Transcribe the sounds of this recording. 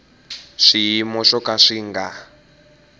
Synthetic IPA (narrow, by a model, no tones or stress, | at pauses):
ʂimɔʃɔkaʂiŋɡa